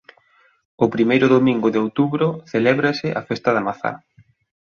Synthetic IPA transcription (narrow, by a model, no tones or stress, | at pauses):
ʊpɾimejɾʊðomĩŋɡʊðɪowt̪uβɾʊθelɛβɾasɪʔa̰fɛst̪aðamaθa̰